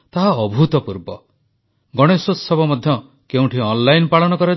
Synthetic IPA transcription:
t̪aɦaɔbʱut̪ɔpuɾbɔ̰ | ɡɔɽ̃esosɔbɔmɔd̪ʱjɔ | keũʈʰiɔnlajnpaɭɔnɔkɔɾɔ

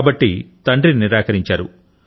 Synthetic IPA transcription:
bɐʈːit̪ɐɳɖɾiniɾaːkɐɾiɲt͡ʃaːɾṵ

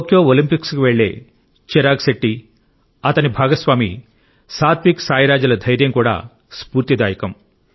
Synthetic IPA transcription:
okjoːolimpikskuʋeɭːe̞̰ː | t͡ʃiɾaːɡseʈːi | ɐt̪ɐnibʱaːɡɐsʋaːmḭ | saːt̪ʰʋiksaːjɐɾaːd͡ʒɐlɐd̪ʱɐjɾjɐmkuːɽa̰ː | spuːɾt̪id̪aːjɐkɐm

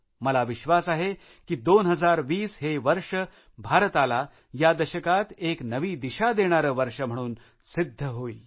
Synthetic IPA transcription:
məlaʋiʃʋasaɦe | kid̪oːnɦəd͡zaɾʋiːsɦeʋəɾʂə | bʱaɾət̪ala | jad̪əɕəkat̪eknəʋiːd̪iʃad̪eɽ̃aɾəʋəɾʂəm̤əɽ̃uːn | sɪd̪ʱːəɦoiː

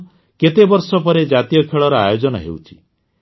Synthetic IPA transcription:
ket̪ebɔɾsɔpɔɾed͡ʒat̪ijɔkʰeɭɔɾɔajod͡ʒɔnɔ̰ɦḛwt͡ʃʰi̥

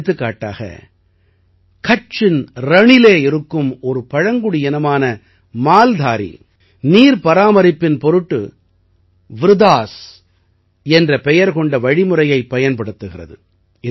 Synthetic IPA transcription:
t̪ːɯkːaːʈːa̰ːɣɐ̰ | kɐt͡ʃɪnɾɐɳɪleːɪɾɯkːɯmɔɾɯpɐɻɐŋɡɯɽɪɛnɐmaːnɐ | maːld̪ʱaːɾḭ | niːɾpɐɾaːmɐɾɪpːɪnpɔɾɯʈːɯ̰ | ʋɪɾɯðaːs | ɛndrɐpɛjɐɾkɔɳɖɐʋɐɻɪmɯrɐjɐɪpːɐjɐnpɐɽɯt̪ːɯɣɪrɐ̰ðɯ | ɪ

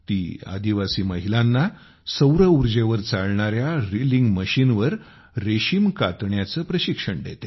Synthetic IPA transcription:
t̪iːa̰d̪iʋasiːməɦilãnːa | səwɾəuɾd͡ʑeʋəɾt͡saɭɳaɾjaɾiliŋɡməɕinʋəɾ | ɾeɕimkat̪ɳjat͡səpɾəɕikʂəɳɖḛt̪e

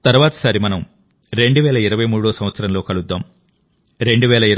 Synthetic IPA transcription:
t̪ɐɾuʋaːt̪ɐ̥sɐːɾimɐnɐm | ɾe̞ɳɖuʋɛːlɐiɾɐʋɐjmuːɽoːsɐm̃ʋɐt̪sɐɾɐmlo̞ːkɐɭud̪ːaːm | ɾe̞ɳɖuʋɛːlɐiɾ

